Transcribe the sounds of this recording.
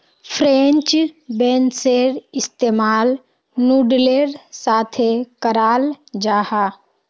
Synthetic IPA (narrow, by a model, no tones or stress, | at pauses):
pʰɾent͡ʃbẽnseɾɪst̪eːmaːl | nuɖleɾsaːt̪ʰekəɾaːld͡ʒaːha